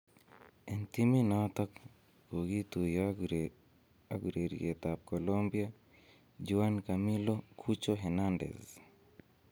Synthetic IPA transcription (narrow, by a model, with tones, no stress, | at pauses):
ɛ˨nt̪i˦mi˦nɔt̪ɔ˦k | ko˨ɡi˦t̪u˨j | aɡuɾe˨ɾ̰ḛ˨t̪a˨p̚ko˨lombia | d͡ʒuankami˦lokʰu˦t͡ʃoɦɛnandɛ̰˨s